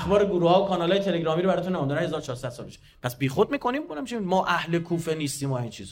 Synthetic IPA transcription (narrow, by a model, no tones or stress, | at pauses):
xbɒːɾeɡuɾuhɒːokʰɒːnɒːlɒːjet̪ʰe̞leɡɾɒːmiɾoæɾɒːt̪unːemɔnd̪ɔnɾænhe̞zɒːɾot͡ʃʰɒːɾsæd̪̥sɒlbeʃe̥ | pʰæsbiːxod̪̚miːkʰo̞nimkonæmt͡ʃʰiimɒːʔæhle̞kʰuːfe̞niːst̪iːmoæint͡ʃʰiːz